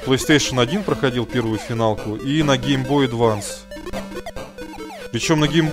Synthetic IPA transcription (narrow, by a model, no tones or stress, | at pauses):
plˠəjst̪ejʂənɐdʲinpɾəxɐdʲilˠpʲe̞rvʊjʊfʲɪnalˠkʊʔinɐɡʲejmbo̞jd̪vans | pɾʲɪt͡ɕo̞mnɐɡʲejm